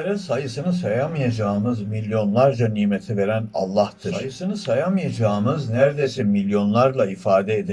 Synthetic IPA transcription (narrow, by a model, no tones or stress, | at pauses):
eɾɛsajɯsɯnɯsajamɯjad͡ʒaːɯmɯzmilʲjo̞nlˠaɾd͡ʒaniːme̞t̪ʰive̞ɾæna̰lˠːaht̪ʰɯɾajɯsɯnɯsajamɯjad͡ʒaːɯmɯznæɾd̪ejsɛmilʲjo̞nlˠaɾlˠaifaːd̪ɛed̪i